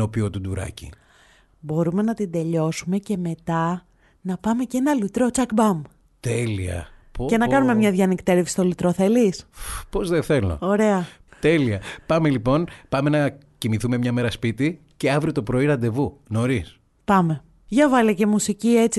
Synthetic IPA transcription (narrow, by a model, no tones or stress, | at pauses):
o̞piot̪ud̪uɾɐ̰cḭ | bo̞ɾume̞nɐt̪ind̪e̞ʎo̞sume̞ce̞me̞t̪ɐ | nɐpɐme̞ce̞nɐlit̪ɾo̞t͡sɐkbɐm | t̪eliɐ̰ | pce̞nɐkɐnume̞mɲɐðʝɐnikt̪e̞ɾefsist̪o̞lut̪ɾoθe̞lispo̞zðeθe̞lo̰o̞ɾe̞ɐt̪e̞liɐpɐme̞lipo̞npɐmenɐ | cimiθume̞mɲɐme̞ɾɐspit̪i | ceɐvɾiot̪o̞pɾo̞iɾɐnd̪e̞vuno̞ɾis | pɐme̞ | ʝɐvɐlice̞musicie̞t͡si